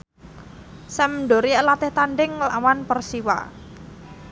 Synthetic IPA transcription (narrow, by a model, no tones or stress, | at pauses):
sɛmɳɖo̤ɾiəlat̪ɪht̪anɖɪŋlawanpərsiwa̰